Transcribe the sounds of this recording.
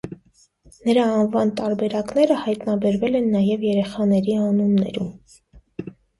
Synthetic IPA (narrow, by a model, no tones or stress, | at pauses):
nəɾɑɑnvɑnt̪ɑɾbɛɾɑkn̪ɛɾəhɑjt̪nɑbɛɾvɛlɛnːɑjɛvjɛɾɛχɑnɛɾiɑnunːɛ̰ɾum